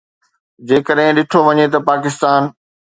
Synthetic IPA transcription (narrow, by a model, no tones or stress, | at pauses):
d͡ʑeːkəɗɦɪ̃ɗɪʈʰoʋɐɲet̪ɐpaːkɪst̪aːn